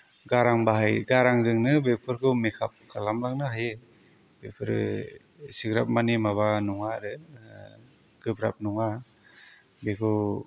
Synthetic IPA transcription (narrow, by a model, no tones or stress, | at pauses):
ɡaɾaŋbaɦajɡaɾaŋzɯŋnɯbepʰɯɾkʰɯmikʰap̚kʰalamlaŋ̚nɯɦaje | bepʰɯɾɯ̰ | siɡɾap̚manimaβanɔŋaɾɯ | ɡ̥ɯbɾa̰p̚nɔŋa | bekʰɯ